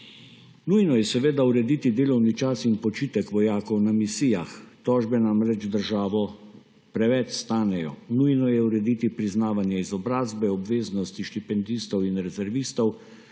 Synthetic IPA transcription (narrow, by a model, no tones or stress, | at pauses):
nujnɔjɛsɛʋeːd̪auɾɛd̪it̪id̪eːlɔwnit͡ʃasinpɔt͡ʃiːt̪ɛkʋɔjaːkɔwnamisijaxt̪ɔːʒbɛnamɾɛt͡ʃd̪əɾʒaːʋɔ | pɾɛʋɛt͡ʃst̪aːnɛjɔ̰nujnɔjɛuɾɛd̪it̪ipɾiznaːʋanjɛizɔbɾaːzbɛɔbʋeːznɔst̪iʃt̪ipɛnd̪ist̪ɔwinɾɛzɛɾʋist̪ɔw